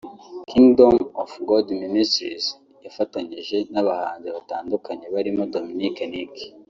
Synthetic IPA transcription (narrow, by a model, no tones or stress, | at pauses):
kʰiŋɡdo̞mofɡoldministɾḭz | jafataɲiʒe̞naβahaːnzeβataːndukaɲe̞βaɾimo̞dominikenik